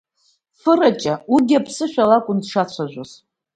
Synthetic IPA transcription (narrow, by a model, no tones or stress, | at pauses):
fɨrat͡ʃʼauɡʲapʰsɨʃᶣalakʷʼʊndʂat͡ɕʷʰaʒʷoz